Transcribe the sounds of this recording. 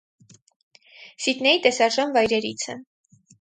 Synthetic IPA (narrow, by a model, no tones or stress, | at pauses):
sit̪nɛit̪ɛsɑɾʒɑnvɑjɾɛɾit͡sʰə